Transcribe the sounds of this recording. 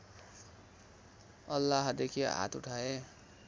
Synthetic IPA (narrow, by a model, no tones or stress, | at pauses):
ʌlːaɦd̪ekʰiɦa̰t̪uʈʰae